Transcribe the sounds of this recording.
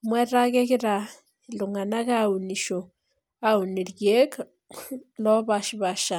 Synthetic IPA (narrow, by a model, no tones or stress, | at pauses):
mweɾaɣekiɾa | luŋanakauniʃo | auniɾjek | loβaʃiβaʃa